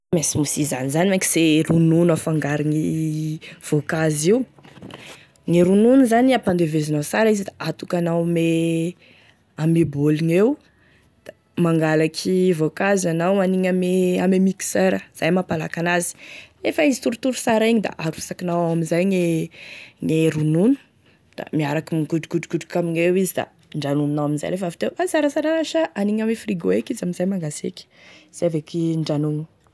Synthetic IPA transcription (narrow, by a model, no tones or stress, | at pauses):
mesimusiza̰nizanimaŋki̥z̥erununafaŋɡaɾiŋi | v̥okaziw | ŋeɾununuzaniapand̪evezinasaɾaizid̪aʔat̪ukanawme | ameboliŋew | d̪̥a | maŋɡalakʰivokazanawmaniɲameamemikseɾəz̥ajmapalakanazi̥lefaizit̪uɾut̪uɾusaɾiɲid̪a̰ʔaɾusakinawawamizajŋe | ŋeɾununu̥ | d̪̥a̰miaɾakimɡuɖ͡ʐukuɖ͡ʐuɡuɖ͡ʐu̥kamiɲewizid̪a̰ | ɳɖ͡ʐanununawaminza̰jlefavit̪ewʔasaɾəsaɾanaʃaʔaniɲamefriɡoekizaminzajmaŋɡasḛkʲi̥z̥eavekiɳɖ͡ʐanunu̥